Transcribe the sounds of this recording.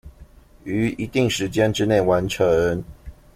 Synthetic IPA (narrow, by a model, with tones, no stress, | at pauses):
y˧˥i˧˥t̪i˥˨ŋʂɻ̩˧˦t͡ɕjɛ˦nʈ͡ʂɻ̩˥ne˥˩ɪwa˧˦nʈ͡ʂʰə˨˦ŋ